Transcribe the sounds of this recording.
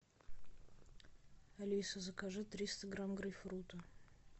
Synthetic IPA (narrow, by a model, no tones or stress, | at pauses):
ɐlʲisəzəkaʐɛt̪ːɾʲist̪əɡɾamɡɾɨjfɾut̪ə